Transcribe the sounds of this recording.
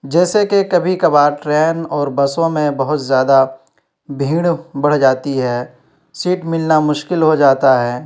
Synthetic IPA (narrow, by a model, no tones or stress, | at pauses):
d͡ʒɛːsekekɐbʱikɐbaːʈɾɛːnɔːɾbɐsõmẽbɐɦʊt̪zjaːd̪a | bʱĩːɽ̃bɐɽ̤d͡ʒaːt̪iɦɛː | siːʈmɪlnamʊʃkɪlɦod͡ʒaːt̪aɦɛː